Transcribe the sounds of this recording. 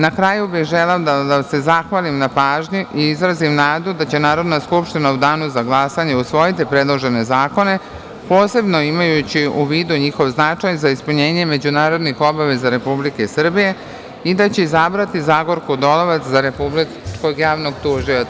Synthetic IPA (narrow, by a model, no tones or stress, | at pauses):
nakɾajubixʒeleod̪ad̪ase̞zaxʋalimnapaːʒɲuʔiizɾazimnaːd̪ud̪at͡ɕe̞naːɾo̞d̪naskupʃt̪inaud̪aːnuzaɡlˠasaɲe̞usʋo̞jit̪ipɾe̞d̪lˠo̞ʒe̞ne̞zaːko̞ne̞ | po̞ːse̞bno̞imajut͡ɕiuʋiːd̪uɲixo̞ʋznat͡ʃajzaispuɲe̞ːɲe̞me̞d͡ʑunaːɾo̞d̪nixo̞baʋe̞zaɾe̞publike̞sr̩bije̞ | id̪at͡ɕe̞izabɾat̪izaɡo̞ɾkud̪o̞loʋat̪szaɾe̞publi | t͡ʃkoɡjaːʋno̞ɡt̪uːʒiʋa